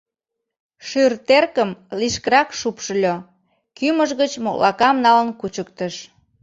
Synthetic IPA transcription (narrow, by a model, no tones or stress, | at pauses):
ʃyrt̪erkəmliʃkəɾɑkʃupʃəlʲo | kyməʒɣət͡ɕmoklɑ̰kɑmnɑlənkut͡ɕək̚t̪əʃ